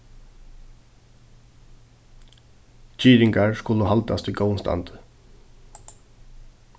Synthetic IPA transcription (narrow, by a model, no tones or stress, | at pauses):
t͡ʃiːɾɪŋkaɹskʊləɦalt̪a̰st̪ʰiɡowənst̪ʰa̰nt̪ə̥